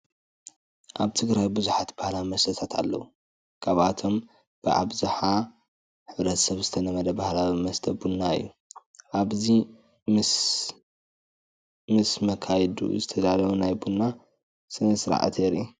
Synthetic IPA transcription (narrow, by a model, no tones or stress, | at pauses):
ʔaβt̪ʰɨɡɾajbɨzuħat̪bahlawimɐst̪ʰɐt̪ʰat̪a̰lːɐ̰wu | kʰaβat̪ʰo̞m | b̥ɨʔa̰βzaħa | ħɨβɾɐt̪sɐβzɨt̪ʰɐnɐmɐlɐbahlawimɐst̪ʰɐbunːaɨ̰jːu | ʔaβzi | mɨsmɐkʰajd̪ṵzɨt̪ʰɐd̪alɐwunajbunːa | sɨnɐsɾa̰ʕa̰t̪ʰeɾʔi